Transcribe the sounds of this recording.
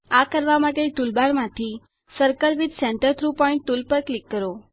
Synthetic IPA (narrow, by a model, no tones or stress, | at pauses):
akəɾʋamaʈelʈulbaɾmãt̪ʰi | səɾkəɾʋid̪sɛ̃ɳʈəɾt̪ʰɾupɔɪ̃ɳʈ̚ʈːulpəɾklikːəɾo